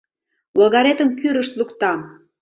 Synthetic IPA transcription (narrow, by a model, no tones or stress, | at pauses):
loɣɑɾet̪əmkyɾəʃt̪lukt̪ɑm